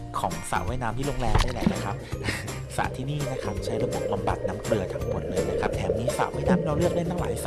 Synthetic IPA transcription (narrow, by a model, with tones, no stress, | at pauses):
kʰɔː˩˦ŋsa̰˨˩ʔwaː˦˥˩jnaː˦˥mt̪ʰiː˥˩loː˧ŋlɛː˧mdaː˥˩lɛ̰˨˩na˦˥kʰa˦˥p̚ | sa̰˨˩ʔt̪ʰiː˥˩niː˥˩na˦˥kʰa˦˥m˨˩t͡ɕʰa˦˥jɾa˧bo˨˩p̚ba˧mba˨˩t̪̚naː˦˥mkɾɯ˧ɐt̪ʰaː˧ŋbʰu˨˩ənlɯ˧nna˦˥kʰa˦˥p̚t̪ʰɛː˩˦mniː˦˧˥sa̰˨˩ʔwaː˥˩jnaː˦˥mɾaː˧wlɯ˥˩ək̚la˥˩nt̪ʰa˥˩la̰ː˩˦jsa˨